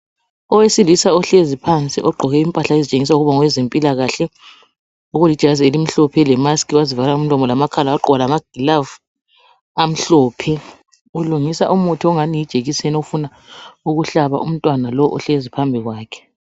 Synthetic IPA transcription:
ɔwesilisaɔɬezipʰant͡sʼḭʔɔɡ͡ǃʱɔɣɛimpʼaɬaezit͡ʃʼeŋis̬auɣuβaŋwɛzempʼilaɣaɬɛ | uɣulid̥ʒ̥ʱazielim̩ɬɔpʰɛlɛmaskʰiwazivalaum̩lɔmɔlamakʰalawaǃɔalamaɡ̥ʱilav | am̩ɬɔːpʰɛ | uluŋisaʔumutʰiɔŋanijid̥ʒ̥ʱeɣisɛnofuna | uɣuɬaβa̰ʔum̩tʼwanalɔʔɔ̰ɬezipʰambʱiɣwaːkʰɛ̥

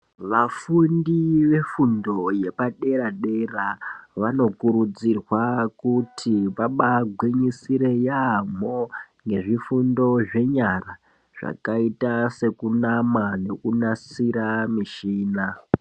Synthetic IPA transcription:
ʋafundiʋe̞fundo̞je̞paɗe̞ɾaɗe̞raʋano̞kuɾud͡zirwakutʰiʋaɓaɡʱwiɲisiɾe̞jam̤o | ŋɡe̞ʐifundo̞ʐe̞ɲara | ʐ̥a̰kaitase̞kunamane̞kunasiɾamiʃiːna

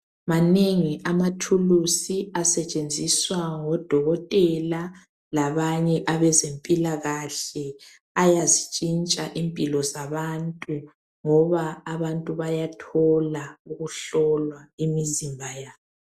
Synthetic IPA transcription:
maneŋiʔamatʰulusiasɛt͡ʃʼend͡zʱiswaŋɔd̥ʱɔɣɔtʼɛla | laβaɲɛʔaβɛzempʼilaɣaɬɛ | ajazit͡ʃʼint͡ʃʼaʔimpʼilɔzaβantʼu | ŋɔβaːβantʼuβajatʰɔlauɣuɬɔlwaimizimbʱajaːβɔ

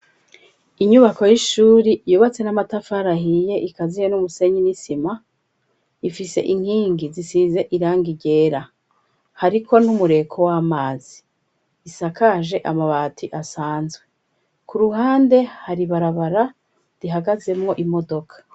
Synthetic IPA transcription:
iɲuβako̞jiʃuːɾijuːβat͡se̞namatafaɾaɦije̞ʔikazijonumuse̞ɲinisima | ifise̞̰ʔiŋ̥hiːŋɡizisize̞ʔiɾaːŋɡiɟe̞ːɾa | haɾikʰo̞numuɾe̞kʰo̞wamaːz̥iː | sakaʒe̞ʔamaβatʰiʔasaːnzɡwe̞ | kʰuɾuɦaːnde̞haɾiβaɾaβaɾa | diɦaɡaze̞mŋo̞ʔimo̞do̞kʰḁ

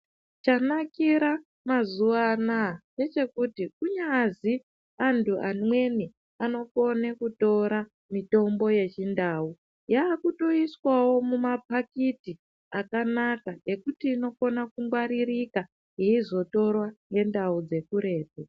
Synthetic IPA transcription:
t͡ʃanakiɾa | mazuʋanane̞t͡ʃe̞kutikuɲazi | antʰuʔa̰nwe̞ni | ano̞ko̞nekuto̞ɾa | mito̞mbo̞je̞t͡ʃindaːu | jaːkuto̞iswawo̞mumapakiti | akanakae̞kutiːno̞ko̞nakuŋɡwaɾirika | ɦiizo̞to̞rwaŋɡe̞ndaud͡ze̞kuɾe̞ːpo

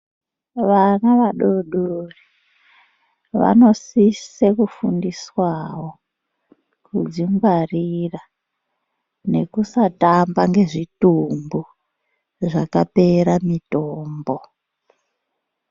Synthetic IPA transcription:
ʋanaʋaɗoɗori | ʋa̰no̞sisekufundiswawo̞ | kud͡ziŋɡwarira | ne̞kusatambaŋɡe̞ʐitumbu | ʐakape̞ɾamitoːmbo

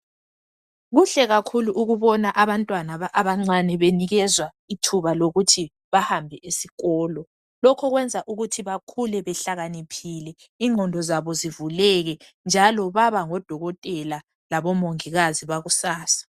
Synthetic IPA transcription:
ɣuɬɛɣakʰuluʔuɣuβɔnaʔaβantʼwanaʔaβaŋ͡ǀanɛβeniɣɛzwa | itʰuβaloɣutʰi | βahambʱɛʔisiɣɔːlɔ | lɔkʰɔɣwɛnd͡zʱaʔuɣutʰiβakʰulɛβɛɬaɣanipʰilɛ | iŋʱɔndʱɔzaβɔzivulɛɣɛ | nd͡ʒʱalɔβaβaŋɔd̥ʱɔɣɔtʼɛla | laβɔmoŋiɣaziβaɣusaːsḁ

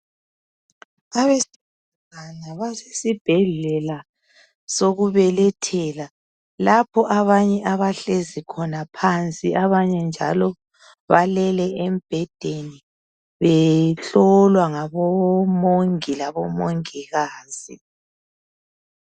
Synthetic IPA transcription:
aβesi | uŋanaβasesib̥ʱɛɮɛla | soɣuβɛlɛtʰɛla | lapʰɔʔaβaɲɛʔaβaɬezikʰɔnapʰant͡sʼiʔaβaɲɛnd͡ʒʱa̰lɔ | βalɛlɛʔem̩b̥ʱɛd̥ʱeni | βɛɬɔlwaŋaβɔmoŋilaβɔmoŋiɣaːz̥ḭ

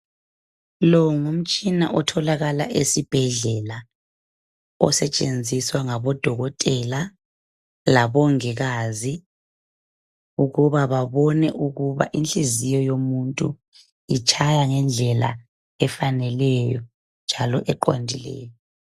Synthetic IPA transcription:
lɔŋum̩t͡ʃʼina̰ʔɔtʰɔlaɣala̰ʔesib̥ʱɛɮɛla | ɔ̰sɛt͡ʃʼend͡zʱiswaŋaβɔd̥ʱɔɣɔtʼɛla | laβɔŋɛɣazi | uɣuβaβaβɔnɛʔuɣuβa̰ʔinɬʼizijɔjomuntʼu | it͡ʃʰʼajaŋɛnd͡ɮʱɛla̰ | ɛfanɛlɛjɔ | nd͡ʒʱalɔʔɛǃo̰ndʱilɛ̰ːjɔ

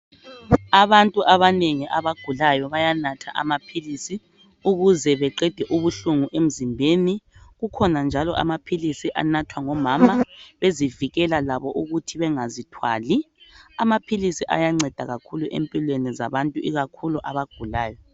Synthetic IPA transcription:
aβantʼuʔaβaneŋiʔaβaɡ̥ʱulajɔβajanatʰa̰ʔa̰mapʰilisi | uɣuzɛβɛǃɛd̥ʱɛʔuβuɬuŋuʔem̩zimbʱeːniɣukʰɔnand͡ʒʱalɔʔa̰mapʰilisiʔa̰natʰwaŋɔmaːmaβeziviɣɛlalaβɔʔuɣutʰiβɛŋazitʰwa̰ːli | amapʰilisiʔa̰jaŋ͡ǀɛd̥ʱaɣakʰuluʔḛmpʼilweniza̰βantʼuiɣakʰuluʔaβaɡ̥ʱulaːjɔ

